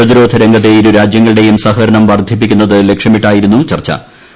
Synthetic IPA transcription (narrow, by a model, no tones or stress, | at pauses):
ɐðiɾo̞ːd̪ʱɐɾeŋɡɐt̪̬ːe̞iɾuɾaːd͡ʑjɐŋːɐɭɨɽe̞jumsɐɦɐɾɐɳɐmʋɐrd̪ʱip̬ːikʲːunːɐðɨle̞kʂjɐmiʈːaːjiɾunːut͡ɕɐrt͡ɕːɐ̰